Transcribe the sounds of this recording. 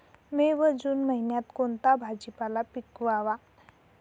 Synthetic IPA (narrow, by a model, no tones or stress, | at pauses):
meʋəd͡zuːnməɦinjat̪kont̪abʱad͡ʑipalapikʋaʋa